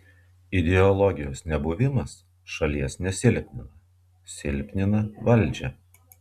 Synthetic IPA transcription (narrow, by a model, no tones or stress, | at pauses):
ɪd̪ʲɛɔlˠɔɡʲɪjoːsnʲɛbʊʋʲɪmɐs | ʃɐlʲiɛsnʲɛsʲɪlʲpʲnʲɪnɐ | sʲɪlʲpʲnʲɪnɐʋɐlʲˑd͡ʒʲɛ